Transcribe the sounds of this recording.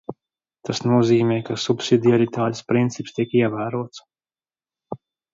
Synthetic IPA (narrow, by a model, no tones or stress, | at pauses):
t̪asnuɔziːmʲɛːkasupsid̪iaɾit̪aːt̪ʲspɾint̪sipst̪iɛkiɛvæːɾuɔt̪s